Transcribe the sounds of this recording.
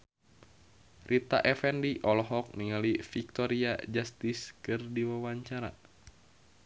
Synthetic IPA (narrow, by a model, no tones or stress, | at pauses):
rʔit̪a̰ʔɛfɛndiʔɔlɔɦɔk̚niŋalifik̚t̪ɔɾia̰d͡ʒast̪iskɨrdiwawaɲt͡ʃaɾa̰